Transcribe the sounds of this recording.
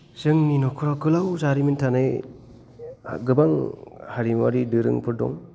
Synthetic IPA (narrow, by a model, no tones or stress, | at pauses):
sɯŋninɔkʰɯɾakɯlawzaɾimintʰanaj | ɡɯbaŋhaɾimaɾidɯɾɯ̰ŋpʰɯɾdɔ̰ŋ